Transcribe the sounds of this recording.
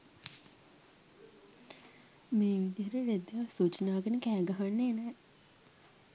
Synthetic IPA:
meːʋid̪iəɾəɾed̪jasuːt͡ʃinaːɡənəkæːɡaɦanːeːnɛː

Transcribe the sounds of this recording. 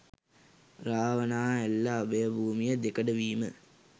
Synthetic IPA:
raːʋənaːelːaːbəjəbʱuːmijəd̪ekəɖəʋiːmə

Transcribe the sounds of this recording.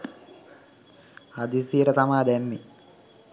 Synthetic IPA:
ad̪isiəɾət̪amaːd̪ɛmːi

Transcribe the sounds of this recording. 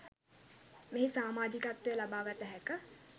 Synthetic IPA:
meɦisaːmaːd͡ʒikat̪ʋejəlabaːɡət̪əɦɛkə

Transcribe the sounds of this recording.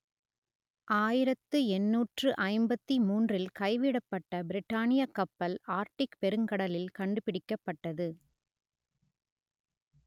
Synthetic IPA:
ʔaːjɪɾɐt̪ːɯɛnːuːʈrɯʔɐɪmbɐt̪ːimuːndrɪlkɐɪʋɪɽɐpːɐʈːɐbɪɾɪʈːaːnɪjɐkːɐpːɐlaːɾʈɪkpɛɾɯŋkɐɽɐlɪlkɐɳɖɯpɪɽɪkːɐpːɐʈːɐðɯ

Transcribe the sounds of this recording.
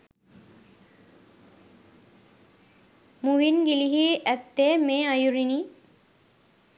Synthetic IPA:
muʋinɡiliɦiʔæt̪ːeːmeːajuɾini

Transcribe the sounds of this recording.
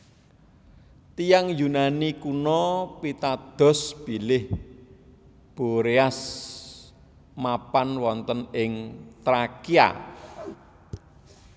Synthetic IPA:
t̪ijaŋjunanikunɔpit̪ad̪̥ɔ̤sb̥ilɪh | b̥o̤ɾeas | mapanwɔnt̪ənɪŋt̪ɾakia̰

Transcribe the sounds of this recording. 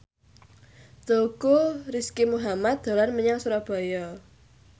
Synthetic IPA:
t̪oukoriskimuɦamat̪̚d̪̥o̤lanməɲaŋsuɾɔb̥ɔ̤jɔ

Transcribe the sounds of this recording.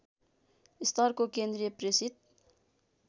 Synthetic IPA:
ɪst̪ɑɾkokenɾepɾesit̪̚

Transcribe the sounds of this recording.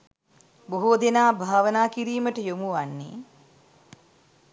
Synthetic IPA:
buɦud̪enaːbʱaːʋənaːkiɾiːməʈəjomuʋanːḛ

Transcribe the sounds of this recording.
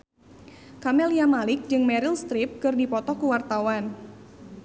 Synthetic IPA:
kamɛliamalɪk̚d͡ʒɨŋmɛɾɪlst̪ɾɪp̚kɨrdipɔt̪ɔkuwart̪awan

